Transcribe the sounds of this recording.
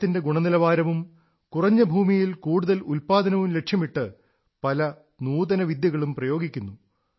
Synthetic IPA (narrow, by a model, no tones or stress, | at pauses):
t̪ːinde̞ɡuɳɐnilɐʋaːɾɐʋum | kurɐɲːɐbʱuːmijilkuːɽuðɐlulpaːd̪ɐnɐʋumle̞ʈʂjɐmiʈːɨ | pɐlɐ | nuːd̪ɐnɐʋid̪jɐɣɐɭumprɐjo̞ːɡikʲːunːu